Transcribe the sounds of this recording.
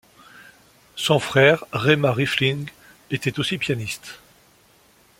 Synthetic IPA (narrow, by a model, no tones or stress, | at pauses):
sɔ̃fχɛʁʁemaʁiflĩŋɡ | et̪ɛt̪osipjanist̪